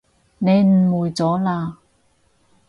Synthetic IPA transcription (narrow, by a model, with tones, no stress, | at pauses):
ne˨˧jm̩˨˩muː˨˩jt͡sɔː˨˥laː˧